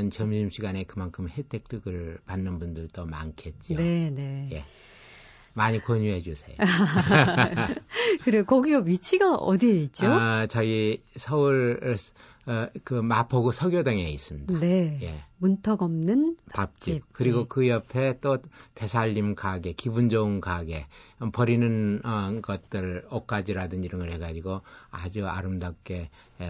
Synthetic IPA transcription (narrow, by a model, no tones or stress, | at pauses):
nt͡ɕʌmimɕʰiɡanekɯmankʰɯmhet͈ʰek̚t͈ɯɡɯɭpanːɯnbundɯɭt͈oma̰ŋkʰe̞t̚t͡ɕ͈iooe̞ne̞je̞ | maɲikoɲuɦed͡ʑusʰe̞̰jo | kɯɾekʌɡiʌbit͡ɕʰiɡaʔʌ̰diet̚t͡ɕ͈ot͡ɕʌisʰʌɯɭ | kɯmapʰʌɡosʰʌɡjodaŋeis͈ɯmɲidade̞je̞muntʰʌɡʌmnɯnpap̚t͡ɕ͈ip̚kɯɾiɡokɯjʌpʰe̞t͈ote̞sʰaʎːimkaɡe̞kibund͡ʑʌunkaɡe̞pʌɾinɯnʌɡʌt̚t͈ɯɭok͈ad͡ʑiɾadɯniɾɯŋɯɭhe̞ɡad͡ʑiɡoa̰d͡ʑua̰ɾɯmdap̚k͈e̞